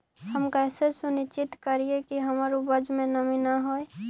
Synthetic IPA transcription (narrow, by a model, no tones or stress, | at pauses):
həmkəjsesʊnɪt͡ʃɪt̪kəɾiekiɦəmɾubəd͡ʒmẽnəminaɦoe